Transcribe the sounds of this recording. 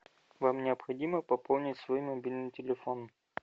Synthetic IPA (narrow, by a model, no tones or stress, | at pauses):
vamnʲɪəpxɐdʲiməpɐpolˠnʲɪtʲsvoimɐbʲilʲnɨjtʲɪlʲɪfon